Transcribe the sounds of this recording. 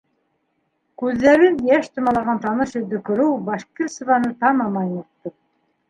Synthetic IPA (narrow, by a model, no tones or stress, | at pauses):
kʉðːæɾɘnjæʃt̪ŏmɑlˠɑʁɑnt̪ɑnɤʃɵ̆ld̪ɵ̆kɵ̆ɾɘwbɑʃkirsɤ̆vɑnɤt̪ɑmɑmɑjnɤt̪ːɤ